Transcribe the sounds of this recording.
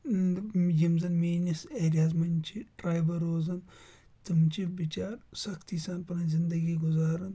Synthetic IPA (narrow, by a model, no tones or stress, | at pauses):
jimzɐnmeːniseːɾiaːzmɐnt͡ʃʰiʈɾaːjbɐɾoːzɐn | t̪ɨmʲt͡ʃʰibit͡ʃaːɾsɐkt̪isaːnpɐnɐnzind̪ɐɡiɡʊzaːɾɨn